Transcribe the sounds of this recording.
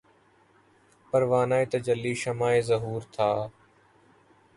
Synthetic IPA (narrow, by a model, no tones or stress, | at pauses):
pəɾʋaːnaːeːt̪əd͡ʒəlːiːʃəmaːeːzəɦuːɾt̪ʰaː